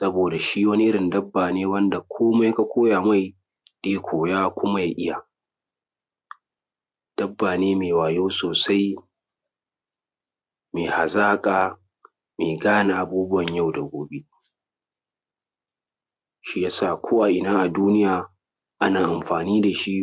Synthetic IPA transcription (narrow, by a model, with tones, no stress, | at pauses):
sɐ˦boː˨da˨ʃi˦wɐ˦ni˦ʔɪ˦ɽɪ˨ndɐ˦bːaː˨neː˦wɐ˦nda˨kʷʰoː˦ma˦jka˦kʷʰoː˦jaː˨ma˦˨j | d̥eː˦kʷʰoː˨jaː˦kʷʊ˦ma˦ja˦ʔɪ˦ja˨ | d̥ɐ˦bːaː˨neː˦meː˨waː˨joː˦soː˨sa˦j | meː˨ha˨zaː˦kʼaː˨ | meː˨ɡaː˦na˨ʔa˨buː˦bʊ˦wɐ˨ɲja˦˨wdɐ˨ɡʷoː˦be˦ | ʃi˦ja˦saː˨kʷʰoː˦wa˨ʔɪ˨naː˦ʔa˨duː˦nɪ˦jaː˨ | ʔa˦naː˨ʔa˨mɸaː˨niː˦da˨ʃi˦ʔ